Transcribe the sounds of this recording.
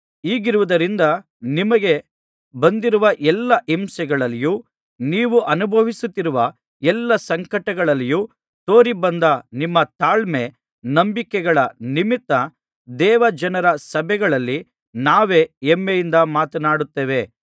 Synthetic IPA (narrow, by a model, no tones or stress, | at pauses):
iːɡiɾuʋud̪ɐɾind̪ɐ | nimɐɡe̞ | bɐnd̪iɾuʋɐʔɛlːɐʔimsɐɡɐɭɐlːijuː | niːʋuʔɐnubʱɐʋisut̪ːiɾuʋɐ | ɛlːɐsɐŋkɐʈɐɡɐɭɐlːiju | t̪o̞ːɾibɐnd̪ɐnimːɐt̪aːɭme̞ | nɐmbikɛɡɐɭɐnimit̪ːɐ | d̪ɛːʋɐd͡ʒɐnɐɾɐsɐbʱɛɡɐɭɐlːi | naːʋe̞ːemːejind̪ɐmaːt̪ɐnaːɽut̪ːeːʋe̞